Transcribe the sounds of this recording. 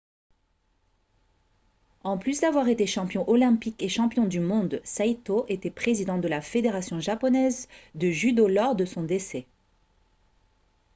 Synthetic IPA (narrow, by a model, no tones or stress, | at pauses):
ɑ̃plysd̪avwaʁet̪eʃɑ̃pjɔ̃ʔɔlɛ̃pikeʃɑ̃pjɔ̃d̪ymɔ̃d̪sajt̪oʔet̪ɛpχezid̪ɑ̃d̪əlafed̪eʁasjɔ̃ʒapɔnɛzd̪əʒyd̪olɔʁd̪əsɔ̃d̪esɛ